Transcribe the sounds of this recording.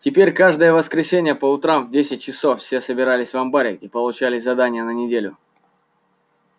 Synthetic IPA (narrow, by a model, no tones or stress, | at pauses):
tʲɪpʲeɾʲkaʐd̪əjəvəskɾʲɪsʲenʲɪjəpəʊt̪ɾamvdʲesʲɪt̚ʲt͡ɕɪsofsʲe̞səbʲɪɾalʲɪsʲvɐmbaɾʲɪ̰tʲipəlˠʊt͡ɕælʲɪsʲzɐd̪anʲɪjənənʲɪdʲelʲʊ